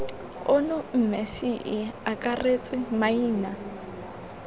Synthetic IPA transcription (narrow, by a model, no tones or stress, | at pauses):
ʊnʊm̩mesiʔɪakʼaret͡sʼɪmaiːna